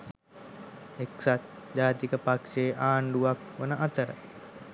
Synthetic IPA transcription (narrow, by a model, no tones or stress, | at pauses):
eksat̪ | d͡ʒaːt̪ikəpakʂeːʔaːɳɖuʋakʋənəʔat̪əɾə̰